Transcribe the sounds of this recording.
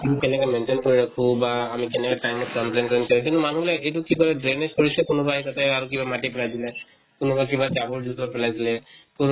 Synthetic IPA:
imikɛnɛkamɛntenkoɹiɹakʰũbaːmikɛnɛkatajmɔtkɔmplenkenkɔɹĩtɛnumanubilaejtʊkikɔlɛdɹeneskoɹisɛkʊnʊbaɦitatɛaɹukibamatipɛlajdilɛ | kʊnʊbak̬ibatabɔɹduzapɛlajsilɛkʊn

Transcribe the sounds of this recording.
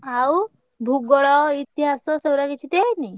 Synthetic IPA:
aw | bʱuɡɔɭɔit̪iɦasɔ̃sowɾakit͡ʃʰit̪eni

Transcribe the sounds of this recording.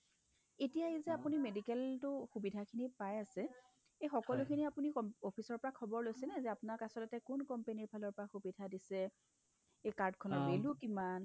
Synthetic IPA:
etijaezɛapunimedikɛltʊxubidʱakʰinipajasɛ | ejxɔkɔlʊkʰiniapuniɔɔpʰisɔɹpɔɹakʰɔbɔɹlojsɛnɛzɛapʊnaɹkasɔtɔtɛkʊnkɔmpeniɹpʰalɔɹpɔɹaxubidʱadisɛ | ejkaɹdkʰɔnɔtbelukiman

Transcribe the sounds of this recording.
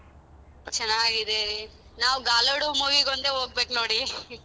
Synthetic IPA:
t͡ʃɐnːaːɡid̪eɾi | naːʋɡaːloɽumuːʋiɡond̪eɦoːɡ̚beːknoːɽi

